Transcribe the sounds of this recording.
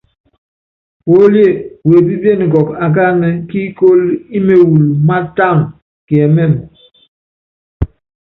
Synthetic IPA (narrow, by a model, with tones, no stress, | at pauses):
wo˦lje˦˨we˨bi˦be˦˨nŋ˨ɡɔ˨ka˨ɡa˦nɛ˦ki˦ko˦li˦me˨wu˨lma˦ta˦˨ŋ | ki˨ɛ˨mɛ˦˨m